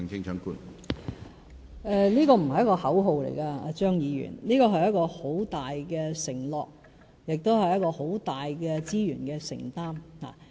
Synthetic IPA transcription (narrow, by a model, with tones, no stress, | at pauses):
ŋt͡sʰɪ˥ŋt͡ʃʰœ˨˥ŋkuː˥n | ɛ˨˧niː˥kɔː˧m̩˨˩hɐ˩jɐ˥kɔː˧hɐ˨˥wɦo˨˧wlḛ˨˩jkaː˧a̰ː˧t͡ʃœː˥ŋjiː˨˧jy̰ː˨˩nliː˥kɔː˧ɦɐ˨jɐ˥t̚kɔː˧ho˨˥wt̪aː˨jkɛː˧sɪ˨˩ŋlɔː˨k̚ | jɪ˨k̚t̪o˥whɐ˨jːɐ˥t̚kɔː˧ho˨˥wt̪aː˨˩jkɛː˧t͡siː˥jyː˨˩nkɛː˧sɪ̰˨˩ŋt̪aː˥mha̰ː˨